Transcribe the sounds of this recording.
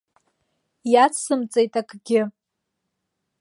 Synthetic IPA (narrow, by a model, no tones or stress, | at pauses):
jat͡sʰsɨmt͡sʼejtʼakʰʼɡʲɪ